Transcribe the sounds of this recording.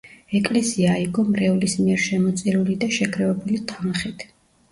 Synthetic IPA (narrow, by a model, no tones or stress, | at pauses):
ɛkʼlɛsiaːiɡɔmɾɛulismiɛɾʃɛmɔt̪sʼiɾulid̪aʃɛkʰɾɛvɛbulit̪ʰanχit̪ʰ